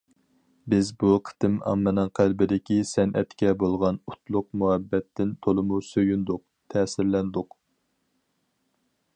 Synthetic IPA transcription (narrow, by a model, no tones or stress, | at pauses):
bɪzbuqʰə̥t̪ɪmɑ̰mːɨnɨŋqʰælbɪd̪ɪkʲisɛnʔɛ̰t̪kʲɛbolˠʁɑnut̪lˠʊq̚muhɛbːɛt̪ʰːɪnt̪ʰolˠɨmusøjynd̪ʊq̚t̪ʰɛːsɪɾlɛnd̪ʊq